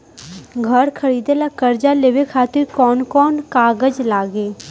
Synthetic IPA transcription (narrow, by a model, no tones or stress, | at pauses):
ɡʱəɾkʰəɾiːd̪elakəɾd͡ʒaleːʋekʰaːt̪ɪɾkɔːnkɔːnkaːɡəd͡ʒlaːɡeː